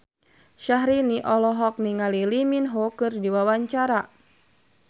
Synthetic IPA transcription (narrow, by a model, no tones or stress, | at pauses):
ʃaɦɾiniʔɔlɔɦɔk̚niŋaliliminɦɔkɨrdiwawaɲt͡ʃaɾa